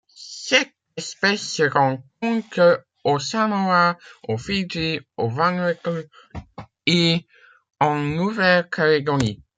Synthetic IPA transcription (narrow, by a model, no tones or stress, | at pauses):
sɛt̪̚ | ɛspɛsːəʁɑ̃k̚ɔ̃t̪ə | osanowaofidiovãnɛt | e | ɑ̃nuvɛlkʰaleɡɔɾi